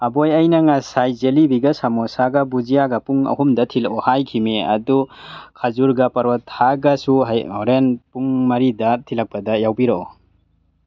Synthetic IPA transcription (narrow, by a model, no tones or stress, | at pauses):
ɐbojɐjnɐŋasajzelibiɡɐsamɔsaɡɐbud͡ʒijaɡɐpuŋɐ̰humdɐtʰilɔhajkʰimeɐ̰dukʰazuɾɡɐpɐɾɔthaɡɐsuɦɔɾenpuŋmɐɾidɐtʰilɐk̚pɐdɐjawbiɾoɔ